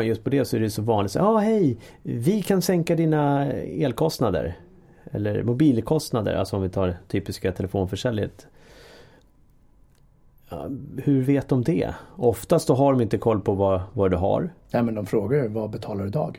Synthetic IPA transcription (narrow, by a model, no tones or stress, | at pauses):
jɵst̪pʰɔd̪ɛsɔæɾɛjsɔvɑːnlɪt̪sɑːhɛjvɪkʰansɛŋkad̪iːnaeːlkʰɔst̪nad̪ə̰ɾ | ɛ̰lːə̰ɾmʊbiːlkʰɔst̪nad̪ə̰ɾʔa̰lsɔɔmvɪt̪ʰɑːɖt̪ʰyːpɪskat̪ʰɛlɛfoːnfœʂɛljə̰t̪ | ɑ̰hɵɾveːt̪̚d̪ɔmd̪ɛ̰ɔft̪ast̪sɔɦaɖɔmɪnt̪əkʰɔlːpʰɔvavaɖɵɦa̰ɾnɛmɛnd̪ɔmfɾoːɡajɵvabɛt̪ʰɑːlaɖɵd̪ɑ̰ːɡ